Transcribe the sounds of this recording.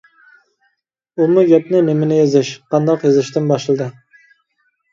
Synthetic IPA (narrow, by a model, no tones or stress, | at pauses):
umuɡʲɛpnɪnɪmɪnɪjezɪʃqʰɑnd̪ɑqjezɪʃt̪ɪnbɑʃlˠɨd̪ɨ